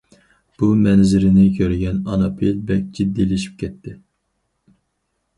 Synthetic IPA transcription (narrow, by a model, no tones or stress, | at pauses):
b̥umɛnzɪɾɪnɪkʲʰøɾɡʲɛnɑnɑpʰilbɛk̚ʲd͡ʒid̪ːilɪʃi̥p̚kʲʰɛt̪ʰːɪ